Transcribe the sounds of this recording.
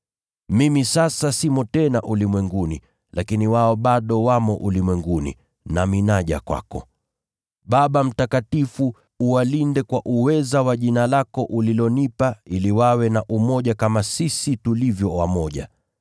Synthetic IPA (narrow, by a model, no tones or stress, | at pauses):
mimisasasimɔtɛnaʔulimwɛŋɡunḭ | lakiniwaɔɓaɗɔwamɔʔulimwɛŋɡunḭ | naminaʄa̰kwa̰kɔ̰ | ɓaɓam̩takatifu | uwalindɛkwaʔuwɛzawaʄinalakɔʔulilɔnipailiwawɛnaʔumɔʄakamasisitulivjɔwamɔʄa̰